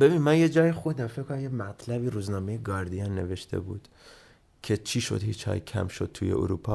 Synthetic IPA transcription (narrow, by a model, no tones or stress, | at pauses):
be̞binmænje̞d͡ʒɒːjexod̪æmfekʰonæmjemæt̪ʰlæbiːɾuːznɒːme̞jeɡɒːɾd̪ijɑnːe̞̰ve̞ʃt̪ʰe̞̰buːd̪̥ | cʰe̞t͡ʃʰiʃo̞̰d̪hit͡ʃhɒ̰ːjecʲʰæ̰mʃod̪̥̚t̪ʰujḛṵɾupʰɒː